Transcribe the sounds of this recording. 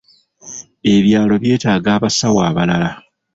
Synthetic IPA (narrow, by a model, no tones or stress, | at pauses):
e̞βjaːlo̞βje̞ːtaːɡaːβasawaːβalala